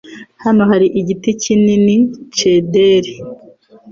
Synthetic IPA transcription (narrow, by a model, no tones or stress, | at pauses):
hanoɦaɾiʔiɟiticininit͡ʃedeɾe